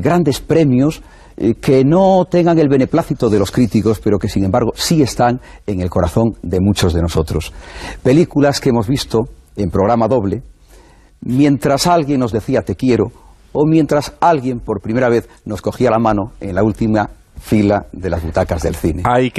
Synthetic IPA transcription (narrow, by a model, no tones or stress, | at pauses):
ɡɾand̪e̞spɾe̞mjo̞s | ke̞not̪e̞ŋɡaŋe̞lβe̞ne̞plaθit̪oðe̞lo̞skɾit̪iko̞spe̞ɾo̞ke̞siŋembaɾɣ̞o̞sie̞st̪aŋe̞ŋe̞lko̞ɾaθõ̞nd̪e̞mut͡ʃo̞zðe̞no̞so̞t̪ɾo̞spe̞likulaskemo̞zβist̪o | e̞mpɾo̞ɣ̞ɾamaðo̞βle̞ | mjẽ̞nt̪ɾasalɣje̞ŋno̞zðe̞θiat̪e̞kje̞ɾoː | mje̞nt̪ɾasalɣje̞mpo̞ɾpɾime̞ɾaβ̞e̞θno̞sko̞xialamãnoe̞ŋlault̪ima | filaðe̞lazβut̪akazðe̞̰lθine̞j